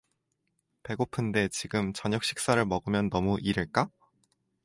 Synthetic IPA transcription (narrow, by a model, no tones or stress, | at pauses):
pe̞ɡopʰɯnde̞t͡ɕiɡɯmt͡ɕʌɲʌk̚ɕ͈ʰi̥k̚s͈aɾɯɭmʌɡɯmjʌnːʌmuʔiɾɯɭk͈a